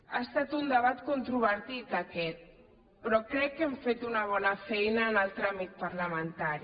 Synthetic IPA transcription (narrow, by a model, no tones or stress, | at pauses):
aest̪at̪und̪eβat̪kont̪ɾuβəɾt̪it̪akɛt̪̚ | pɾɔkɾɛkːɛɱfet̪unaβ̞ɔnafejnaːnalt̪ɾamit̪̚paɾlament̪aɾi